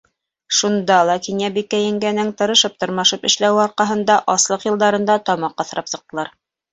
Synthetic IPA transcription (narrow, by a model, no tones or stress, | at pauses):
ʃund̪ɑlˠɑkinjæbikːæjɘ̆ŋɡænɘŋt̪ɤ̆ɾɤ̆ʃɤp̚t̪ŏɾmɑʃɤpɘ̆ʃlæwɑɾqɑɦɤ̆nd̪ɑʔɑslˠɤqjɤ̆lˠd̪ɑɾɤ̆nd̪ɑt̪ɑmɑqːɑθ̆ɾɑpsɤ̆q̚t̪ɤ̆lˠɑɾ